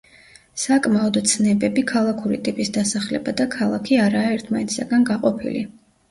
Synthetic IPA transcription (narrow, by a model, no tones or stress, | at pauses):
sakʼmaɔd̪t̪sʰnɛbɛbikʰalˠakʰuɾḭt̪ʼipʼisd̪asaχlɛ̰bad̪akʰalˠakʰiaɾaːɛɾt̪ʰmanɛt̪saɡanɡaqʼɔpʰḭlḭ